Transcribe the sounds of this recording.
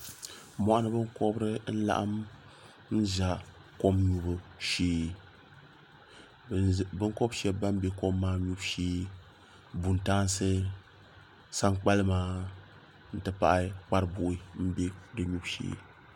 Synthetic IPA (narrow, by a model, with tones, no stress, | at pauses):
mɔ˨ʔa˦nɨ˦bɨ˦ŋko˦bɾɨ˦n̩˦la̰˦ʔa̰˦m | n̩˦za˨ | ko˦mɲu˦bɨ˨ʃeː˦ | bɨ˦ŋko˦bʃɛ˦bːa˦m˦bɛ˦ko˦mːaː˦ɲu˦bʃeː˦ | bu˨n˨taː˦nsɨ˦ | sa˦ŋk͡pa˦lɨ˦maː˦ | n̩˦tɨ˨pa̰˨ʔa˦k͡pa˦ɾɨ˦˨bʊ˨ʔi˦m̩˦be˦dɨ˨ɲu˦bʃḛː˦